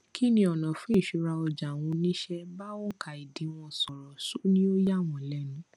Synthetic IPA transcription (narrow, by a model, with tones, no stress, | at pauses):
kʰi˦nĩ˦ɔ˨nã˨fũ˦i˦˨ʃu˨˧˦ɾa˧ɔ˧d͡ʒa˨w̃ɔ̃˧nĩ˦ʃɛ˦ba˦o˦ŋ̩˦ka˨i˨dĩ˨˦w̃ɔ̃˧sɔ˨ɾɔ˨so˨˦nĩ˦o˦ja˦˨w̃ɔ̃˨lɛ˨˦nũ˨˦